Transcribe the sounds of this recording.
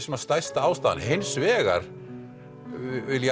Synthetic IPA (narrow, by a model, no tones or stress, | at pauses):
sɛmast̪ajst̪aaːwst̪aːða̰nhejnsvɛːɣa̰ɾ̥ | ɪlj